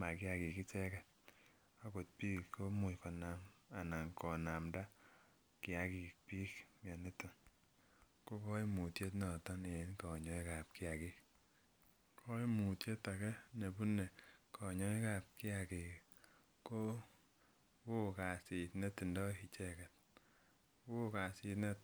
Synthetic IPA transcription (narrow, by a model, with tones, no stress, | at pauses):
ma˨kɪ˦a˨ki˨ki˦t͡ʃɛ˦kɛ˨t | a˦ko˨t̚pi˦ko˦mu˨kɔ˨na˨ma˨na˨ŋkɔ˨na˨mda˦ | ki˨a˨ki˨k̚pi˦kmja˨ne˦ti˨n | ko˦kɔ˦i˦mu˨tje˦t̬nɔ˨tɔ˦ne˨˦nkɔ˨ɲɔ˨˦i˦ka˨p̚ki˦a˨ki˦k | kʰɔ˦i˦mu˨tje˦ta˨kɛ˦ne˨bu˦ne˨kʰɔ˨ɲɔ˦i˦ka˨p̚kɪ˦a˨ki˨k | ko˦ | ko˦ka˨si˨tne˦ti˨ndɔ˦ki˨t͡ʃɛ˦kɛ˨t̚ | ko˦ka˨si˨tne˦t